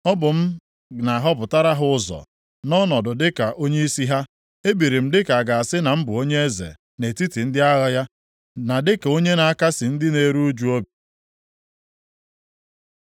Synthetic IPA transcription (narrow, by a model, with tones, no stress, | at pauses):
ɔ˦bʊ˨m̩˦ | na˨ɦɔ˦pʊ˨ta˦ɾa˦ɦʊ˦ʊ˦zɔ̰˨ | nɔ˦nɔ˨dʊ˨dɪ˦ka˨ʔo˦ɲe˦i˦si˦ɦa˦ | e˦bi˨ɾi˨m̩˦dɪ˦ka˨a˨ɡa˨a˨sɪ˦na˨m̩˦bʊ˨o˦ɲe˦e˦zḛ˨ | ne˨ti˦ti˨n̩˦dɪ˦a˦ɣa˦ja˦ | na˨dɪ˦ko˦ɲe˦na˨a˨ka˦sɪ˨n̩˦dɪ˦ne˨˦ɾu˦d͡ʒu˦o˦bi˨